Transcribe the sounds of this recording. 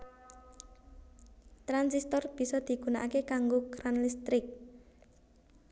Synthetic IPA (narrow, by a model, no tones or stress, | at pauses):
t̪ɾansist̪ɔrb̥i̤sɔd̪̥i̤ɡ̥una̰ʔakekaŋɡokɾanlist̪ɾɪk̚